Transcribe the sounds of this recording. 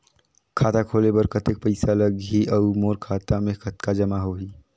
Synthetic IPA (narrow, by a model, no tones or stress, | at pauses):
kʰaːt̪akʰoːlebɐɾkɐt̪ek̚pəɪsalɐɡɦiʔɐumoːɾkʰaːt̪amẽkɐt̪kad͡ʒɐmaɦoɦiː